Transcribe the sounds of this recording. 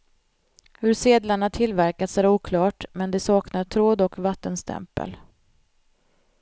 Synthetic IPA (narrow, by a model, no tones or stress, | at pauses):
hɵɾseːd̪laɳat̪ʰɪlvæɾkat̪sæɾuːkʰlɑːʈmɛnd̪ɛsɑːknaɾʈ̪ʰɾoːd̪ɔkvat̪ːənst̪ʰɛ̰mpə̰l